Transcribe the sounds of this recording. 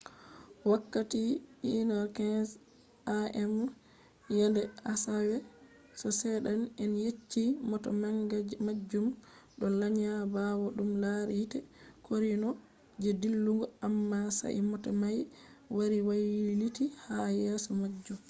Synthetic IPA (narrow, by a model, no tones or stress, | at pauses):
wakːatiinɔɾkans | aʔɛm | jɛndɛasawɛ | sɔsɛɗanɛnjet͡ʃːimɔtɔ̰maŋɡamad͡ʒːumɗɔlaɲabawɔɗumlaɾitɛkʰoɾinɔ | d͡ʒɛdilːuŋɡɔamːasa̰ʔimɔtɔmajwaɾiwajilitihajɛːsɔmad͡ʒːum